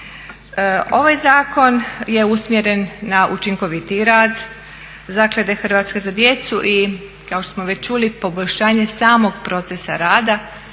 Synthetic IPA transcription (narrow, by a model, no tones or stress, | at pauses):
o̞ʋajzaːko̞nje̞usmjeɾe̞nːaʔut͡ʃiŋko̞ʋit̪iɾaːd̪ | zakled̪exr̩ɾʋat̪skezad̪je̞t̪suʔi | kaoʃt̪osmoʋe̞t͡ɕt͡ʃulipo̞bo̞ʎʲʃaːɲe̞saːmo̞ɡpɾo̞t̪sesaɾaːd̪a